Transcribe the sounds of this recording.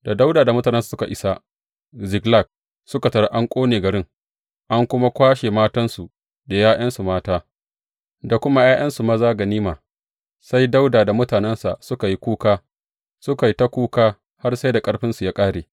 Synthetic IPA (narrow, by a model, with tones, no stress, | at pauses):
da˨da˦wdaː˨da˨mʊ˦taː˨n˦nsu̥˨sʊ˦ka˨ʔɪ˦sa˦ | zɪ˨ɡla˦˨k̚ | sʊ˦ka˨tɐ˨ɽa˦ʔa˦ŋkʷʼoː˦neː˨ɡɐ˨ɽɾɪ˦ŋ | ʔa˦ŋkʷʊ˦ma˦kʷaː˦ʃe˨maː˦tɐ˦nsu˨ | da˨jaː˦j̰ɐ˦nsu˨maː˦taː˦ | da˨kʷʊ˦ma˦jaː˦j̰ʔɐ˦nsu˨ma˦zaː˦ɡɐ˨niː˦maː˨ | sa˦jda˦wdaː˨da˨mʊ˦taː˨nɛ˦nsa̰˨ʔsʊ˦ka˨ji˦kʷuː˦kaː˦ | sʊ˦ka˨ji˦ta˦kʷuː˦kaː˦ | ha˦rsa˦jda˨kʼɐ˦ɽɸɪ˦nsu˨jaː˦kʼaː˦ɽeː˨